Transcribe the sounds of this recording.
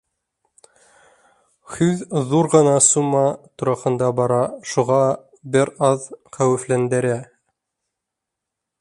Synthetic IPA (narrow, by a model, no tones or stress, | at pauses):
hʉððuɾʁɤ̆nɑsumɑt̪uɾɑχɤ̆nd̪ɑbɑɾɑʃuʁɑ | bɘɾɑðqæwɘ̆flænd̪ɘ̆ɾæ